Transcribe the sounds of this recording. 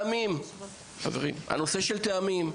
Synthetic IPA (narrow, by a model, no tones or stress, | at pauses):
mim | χa̰veʁimha̰no̞se̞ʃelt̪eamim